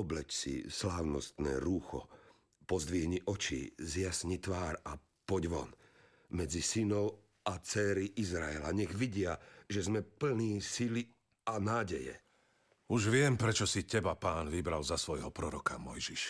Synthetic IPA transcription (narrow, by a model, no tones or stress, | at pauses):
ɔblɛt͡ʃsḭslaːʊnɔ̰st̪nɛ̰ːɾuːxɔ̰ | pɔzd̪ʋiɦɲiʔɔt͡ʃḭːzɪasɲit̪ʋaːɾa | pɔɟʋɔ̰n | mɛd͡zisinɔʊ | at͡sɛːɾiʔizɾaɛla̰ɲɛɣʋiɟɪaʒɛzmɛpl̩niːsili | anaːɟɛjɛ̰ | uʒʋɪɛmpɾɛt͡ʃɔsicɛbapaːnʋibɾalzasʋɔjɦɔpɾɔɾɔkamɔjʒiʃ